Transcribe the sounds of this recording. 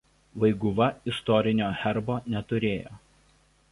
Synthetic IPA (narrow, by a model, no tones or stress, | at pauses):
ʋɐɪɡʊʋɐɪst̪ɔɾʲɪnʲoːxʲɛɾboːnʲɛt̪ʊɾʲeːjoː